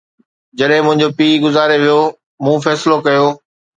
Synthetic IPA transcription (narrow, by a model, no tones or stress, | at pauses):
d͡ʑɐɗɦɪ̃mʊ̃ɦɪ̃ɲ̆d͡ʑopiːɡʊzaːɾeʋijo | mũːfɛːsɪlokɐjoː